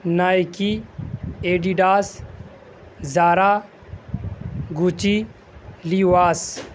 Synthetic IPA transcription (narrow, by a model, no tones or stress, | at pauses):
naːjki | eɖiɖaːs | zaːɾa | ɡut͡ʃi | liwaːs